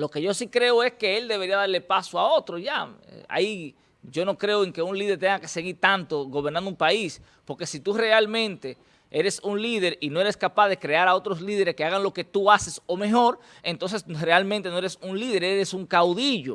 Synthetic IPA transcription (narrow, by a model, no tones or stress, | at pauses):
lo̞ke̞ʝo̞sikɾe̞oe̞ske̞eld̪e̞βe̞ɾiaðaɾle̞pasoao̞t̪ɾoʝa̰a̰i | ʝo̞no̞kɾe̞oe̞ŋke̞unlið̞eɾt̪eŋɡake̞se̞ɣiɾt̪ant̪o̞ɣo̞βeɾnand̪umpais | po̞ɾke̞sit̪ure̞almẽ̞nt̪e̞ | eɾe̞suŋliðe̞ɾinoe̞ɾe̞skapaðe̞kɾe̞aɾao̞t̪ɾo̞sliðe̞ɾeskeaɣaŋlo̞ke̞t̪uaseso̞me̞ɦo̞ɾ | e̞nt̪ons̬e̞sre̞almẽnt̪e̞no̞eɾesuŋliðe̞ɾeɾesuŋkawðiʝo̞